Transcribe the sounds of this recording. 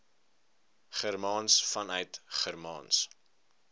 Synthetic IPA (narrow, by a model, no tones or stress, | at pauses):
χərmɑːnsfɐnœɥtχərmɑ̰ːns